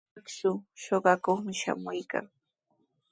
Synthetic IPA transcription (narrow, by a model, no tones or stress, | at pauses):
ksʊʃoɢɑkoχmɪʃa̰mʊjka̰ŋ